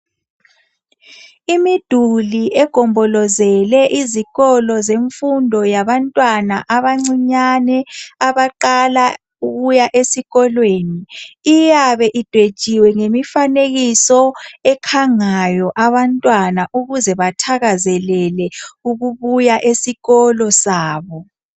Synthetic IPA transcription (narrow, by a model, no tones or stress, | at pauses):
imid̥ʱuliʔɛɡ̥ʱɔmbʱɔlɔzɛlɛʔiziɣɔlɔzeɱfundʱɔjaβantʼwanaʔaβaŋ͡ǀiɲanɛaβaǃala | uɣujaʔesiɣɔlweːniːjaβɛʔid̥ʱwed̥ʒ̥ʱiwɛŋemifaneɣisɔɛkʰaŋajɔʔaβantʼwanaʔuɣuzɛβatʰaɣazɛlɛlɛuɣuβujaʔesiɣɔlɔsaːβɔ